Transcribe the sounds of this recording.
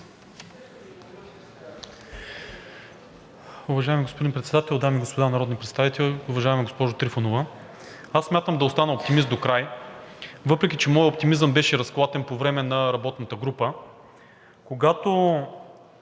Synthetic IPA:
ʊvɐʒaɛmiɡospod̪inpɾɛt̪sɛd̪at̪ɛlˠd̪amiɡospod̪anɐɾɔd̪nipɾɛt̪st̪avit̪ɛlˠʊvɐʒaɛmiɡospɔʒʊt̪ɾifonovə | asːmʲat̪əmd̪ɐost̪anɐop̚t̪imisd̪okɾaj | vɤpɾɛk̬ʲit͡ʃɛmɔjop̚t̪imizəmbɛʃɛɾɐsklˠat̪ɛnpovɾɛmɛnɐɾɐbɔt̪nət̪əɡɾupə | koɡat̪o

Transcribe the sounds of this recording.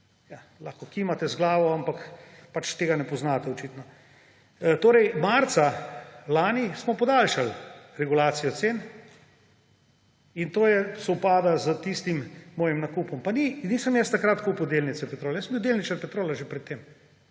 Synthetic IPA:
ja | laxkɔkimat̪ɛzɡlaːʋɔampakpat͡ʃt̪eːɡanɛpɔznaːt̪ɛɔt͡ʃiːt̪nɔ | t̪oːɾɛjmaɾt̪salaːnismɔpɔd̪aːlʃalɾɛɡulaːt̪sijɔt̪sen | int̪oːjɛsɔwpaːd̪azət̪ist̪immɔːjimnakuːpɔmpaninisəmjɛst̪akɾat̪kupud̪elnit̪sɛpɛt̪ɾoːlɛjəsmbiwd̪elnit͡ʃaɾpɛt̪ɾoːlaʒepɾɛt̪ːem

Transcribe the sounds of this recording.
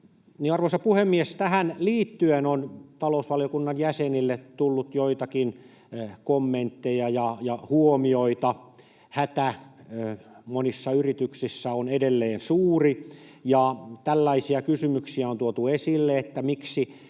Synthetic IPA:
niɑrʋoisɑpuhemːiest̪æhænliːt̪ːyenont̪ɑlousʋɑlijokunːɑnjæsenilːet̪t̪ulːut̪joit̪ɑkin | komːent̪ːejɑjɑjɑhuomioit̪ɑ | hæt̪æ | monisːɑyrit̪yksisːæonedelːeːnsuːrijɑt̪ælːæisiɑkysymyksiæont̪uot̪uesilːeet̪ːæmiksi

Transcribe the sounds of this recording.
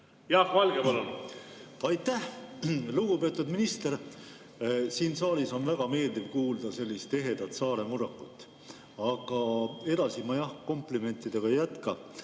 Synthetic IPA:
jɑhvɑlɡ̥epɑlon | ɑjt̪ˑːæhluɡ̥upe̞ːt̪ˑud̪minist̪e̞ɾ | siːnsɑːliso̞nvæɡ̥ɑme̞ːld̪ivkuːld̪ɑse̞lʲːist̪e̞ɦe̞d̪̥ɑt̪sɑːɾe̞muɾɑkːˑut̪ːˑ | ɑɡ̥ɑe̞d̪̥ɑsimɑjɑhko̞mplime̞nt̪ːˑid̪̥e̞ɡ̥ɑjæt̪kɑ

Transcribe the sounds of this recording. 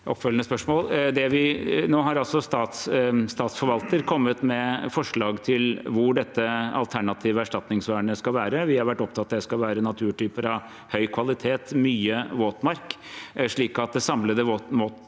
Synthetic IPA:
ʔɔpːfœlənəspœʂmoːld̪ɛʋɪnoːɦɑɾɑlsɔst̪ɑːt̪sst̪ɑːt̪sfɔɾʋɑlt̪əɾkʰɔmːət̪mɛfɔʂɭɑːɡt̪ʰɪlʋʊɖɛt̪ːəɑ̰lt̪ʰæɳɑt̪ʰiːʋəæʂʈɑt̪nɪŋsʋæːɳəskɑʋæːɾəʋɪhɑɾʋæʈːɔp̚t̪ʰɑt̪ːɑd̪ɛskɑlʋæːɾənɑt̪ʰʉːʈʰyːpəɾɑʋ | hœʏkʰʋɑlɪt̪ʰeːt̪myːəʋoːt̪mɑɾk | ʂɭiːkɑt̪̚d̪ɛsɑmləd̪əʋoːt̪moːt̪

